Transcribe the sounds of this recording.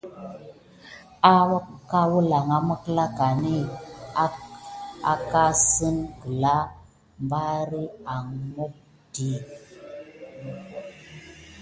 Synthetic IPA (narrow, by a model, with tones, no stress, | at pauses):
a˦wa˦ka˦wu˦la˨ŋa˦mə˦kə˦la˦ka˨ni˦a˦ | a̰˨ka˦sə˦nkə˨la˦ | mba˦ɾi˦a˨ŋmo˦k̚ | ti˨˦